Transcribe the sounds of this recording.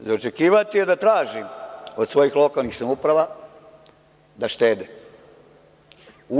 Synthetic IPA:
zo̞t͡ʃe̞kiːʋat̪ijed̪at̪ɾaːʒiod̪sʋo̞jixlˠo̞kalnixsamupɾaʋa | d̪aʃt̪eːd̪e | u

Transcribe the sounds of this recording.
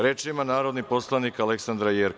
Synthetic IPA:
ɾet͡ʃimanaːɾo̞d̪nipo̞slˠanikale̞ksand̪ɾajeɾ

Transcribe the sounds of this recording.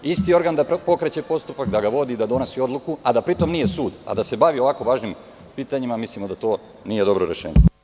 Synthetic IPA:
ist̪io̞ɾɡand̪apo̞kɾet͡ɕe̞po̞st̪upakd̪aɡaʋo̞d̪iːd̪ad̪o̞nesio̞d̪lˠukuad̪apɾit̪o̞mnije̞suːd̪a̰d̪ase̞baʋio̞ʋako̞ʋaːʒnim | piːt̪aɲimamislimod̪at̪o̞ː | nije̞d̪o̞bɾoɾe̞̰ʃḛːɲe

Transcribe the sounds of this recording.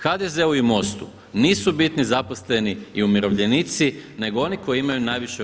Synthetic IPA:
xad̪eze̞uimo̞st̪ṵ | niːsubit̪nizapo̞sle̞niiumiɾo̞ʋʎe̞nit̪sine̞ɡoo̞niko̞jiimajunajʋiʃe

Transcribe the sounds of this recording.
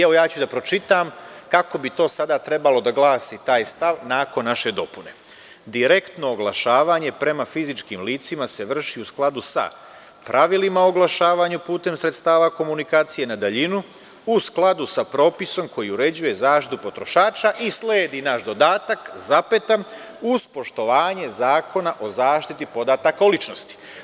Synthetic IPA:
eʋo̞jaːt͡ɕud̪apɾo̞t͡ʃit̪am | kako̞bit̪o̞ːsad̪at̪ɾe̞balo̞d̪aɡlˠaːsit̪aːjst̪aʋnaːko̞nːaʃe̞d̪o̞pune̞̰ | d̪iɾe̞kt̪no̞oɡlˠaʃaːʋaɲe̞pɾe̞mafizit͡ʃkimliːt̪simase̞ʋr̩ʃiusklˠad̪usa̰ | pɾʔaʋilimaoɡlˠaʃaːʋaːɲupuːt̪e̞msɾe̞t̪st̪aːʋako̞munikaːt̪sije̞nad̪aʎinu | usklˠad̪usapɾo̞ːpiso̞mko̞jiuɾe̞d͡ʑuje̞zaːʃt̪i̥t̪upo̞t̪ɾo̞ʃaːt͡ʃaʔisleːd̪inaʃd̪o̞d̪aːt̪akzape̞t̪a | uz̥po̞ʃt̪o̞ʋaːɲe̞zaːko̞naʔo̞zaːʃt̪it̪ipo̞d̪at̪akaulit͡ʃno̞st̪i̥

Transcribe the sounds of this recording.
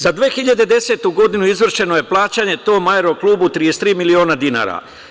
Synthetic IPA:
zad̪ʋeːxiʎad̪ed̪e̞se̞ːt̪uɡo̞d̪inuizʋr̩ʃe̞noje̞plˠaːt͡ɕaɲe̞t̪o̞ːmajeɾo̞klˠuːbut̪ɾije̞st̪ɾiːmilio̞ːnad̪ina̰ːɾa̰

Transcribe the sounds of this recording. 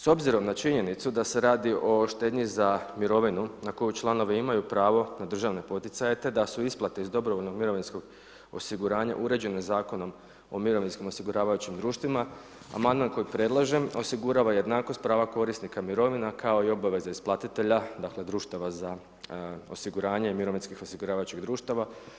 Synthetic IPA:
so̞bziɾo̞mnat͡ʃiɲe̞nit̪sud̪ase̞ɾaːd̪iʔo̞ʃt̪e̞ːd̪ɲizamiɾo̞ʋinunako̞jut͡ʃlˠano̞ʋeimajupɾaːʋo̞nad̪r̩ʒaʋne̞po̞t̪it̪saje̞t̪e̞d̪asuisplˠat̪eizd̪o̞bɾoʋo̞lno̞ɡmiɾo̞ʋinsko̞ɡ | o̞̰siɡuɾaːɲa̰ʔuɾe̞d͡ʑe̞nezaːko̞no̞m | o̞miɾo̞ʋinskimo̞siɡuɾaːʋajut͡ɕimd̪ɾuːʃt̪ʋima | a̰mand̪manko̞jipɾe̞d̪lˠaʒe̞mo̞siɡuɾaːʋaje̞d̪naːko̞st̪̚pɾaːʋako̞ɾisnikamiɾo̞ʋinakʰao̞io̞baʋe̞zaisplˠat̪it̪e̞ʎad̪akle̞d̪ɾuːʃt̪aʋaza | o̞̰siɡuɾaːɲeimiɾo̞ʋinskixo̞siɡuɾaːʋajut͡ɕiɣd̪ɾuːʃt̪aʋa

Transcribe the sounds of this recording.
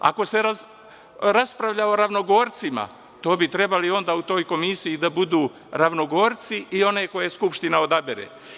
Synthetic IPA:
a̰ko̞se̞ɾa | ɾaspɾaʋʎaoɾaʋno̞ɡo̞ːɾt̪sima̰ | t̪o̞ːbit̪ɾe̞balio̞nd̪aːut̪o̞ːjko̞misiid̪abud̪uː | ɾaʋno̞ɡo̞ːɾt̪siʔio̞ne̞ko̞je̞skupʃt̪inao̞d̪abeɾḛː

